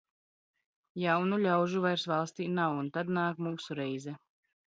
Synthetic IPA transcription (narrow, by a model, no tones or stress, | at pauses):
jawnuʎʲawʒuvajɾsvalˠst̪iːnawunt̪ad̪naːkmuːsuɾɛjzɛ